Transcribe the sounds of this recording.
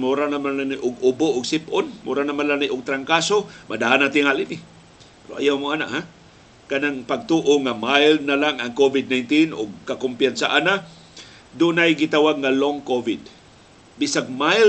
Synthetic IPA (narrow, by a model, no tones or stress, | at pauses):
muɾanamanlanaʔʊɡʊboʔʊɡsɪpʔʊnmuɾanamanlaniʔʊɡ̚t̪ɾaŋkasomʔad̪aanat̪ɪŋhalɪnɪ | pɾoʔa̰jawmʊʔana̰ʔha | kanaŋpaɡ̚t̪uʔoŋamajlnalaŋaŋkovɪd̪̚najnt̪inʔʊɡ̚kakʊmpjansaʔana | d̪ʊnajɡɪt̪awaɡ̚ŋaloŋkovɪd̪ | bisaɡ̚majl